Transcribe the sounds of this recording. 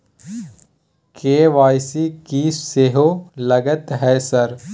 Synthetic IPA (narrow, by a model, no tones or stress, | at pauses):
keːʋaːjsikiːsseɦolɐɡət̪ɦɛːsɐɾ